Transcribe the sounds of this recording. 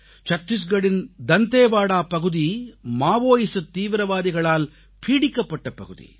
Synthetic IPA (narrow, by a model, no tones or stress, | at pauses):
t͡ʃɐt̪ːis̬ɡɐɽind̪ɐnt̪eːʋaːɽaːpɐɡud̪imaːʋoːjisɐt̪iːʋɾɐʋaːd̪iɡɐɭaːl | pʰiːɽikːɐpːɐʈːɐpɐɡud̪ḭ